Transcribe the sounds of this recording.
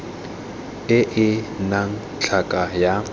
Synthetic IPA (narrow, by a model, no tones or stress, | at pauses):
ɪʔɪnaŋ̩ | t͡ɬʰakʼaja